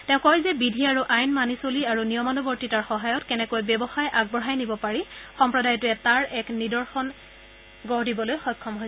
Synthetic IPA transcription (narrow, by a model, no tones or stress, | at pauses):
tɛ̃ʊ̃kɔjzɛbidʱiaɹuʔajnmanisoliaɹunijɔmanubɔɹtitaɹxɔɦajɔtkɛnɛkojbɛbɔxajʔaɡ̚bɔɦajnibɔpaɹixɔmpɹɔdajɔtʊɛtaɹɛknidɔɹxɔn | ɡɔɹdibɔlojxɔjkʰːɔmɦoj